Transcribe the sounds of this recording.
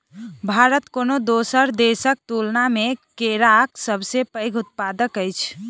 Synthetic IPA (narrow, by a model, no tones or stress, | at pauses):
bʱaɾət̪konod̪osəɾd̪esək̚t̪ulnamekeɾaksəbʱsepəjɡʱut̪̚pad̪əkəjt͡ʃʰ